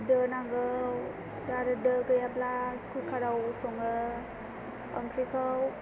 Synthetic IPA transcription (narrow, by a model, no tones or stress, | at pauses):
dənaŋɡəw | daɾɯdəɡɯjaplakʰukʰaɾawsɔŋɯ | ə̰mkʰɾikʰaw